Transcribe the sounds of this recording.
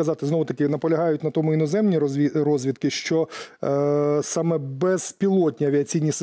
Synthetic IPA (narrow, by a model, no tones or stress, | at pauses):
ɐzɑt̪ɪznɔʋʊt̪ɐkʲɪnɐpɔlʲɐɦɑjʊtʲnɐt̪ɔmʊinɔzɛmnʲiiɾɔzʲʋʲit̪kɪʃt͡ʃɔ | sɑmɛbɛz̥pʲilˠɔtʲnʲiɐʋʲiɐt͡sʲijnʲis